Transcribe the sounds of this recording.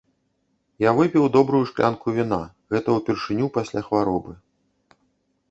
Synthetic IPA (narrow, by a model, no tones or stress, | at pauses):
javɨpʲiwd̪ɔbɾujuʂklʲa̰nkuvʲina | ɣɛt̪ɐwpʲɛrʂɨnʲupasʲlʲaxvaɾɔbɨ